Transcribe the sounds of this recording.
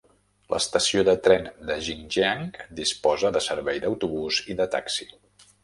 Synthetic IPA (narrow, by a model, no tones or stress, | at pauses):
lʔə̰st̪əsioðət̪ɾɛnd̪əʒinʒeaŋkd̪ispɔzəðəsəɾβɛjd̪əwt̪uβuziðət̪a̰ksi̥